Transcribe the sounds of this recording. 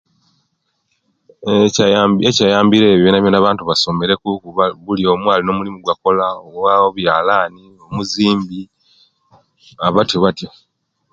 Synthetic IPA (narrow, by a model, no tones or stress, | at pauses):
ecajaːmbiɾe̞ːβjonaβjonaβaːntuβaso̞me̞ɾe̞kukuβulio̞ːmwaːlinoːmulimuɡwako̞laowaoβjaːlaːni | o̞muziːmbi | aβatjoβatjo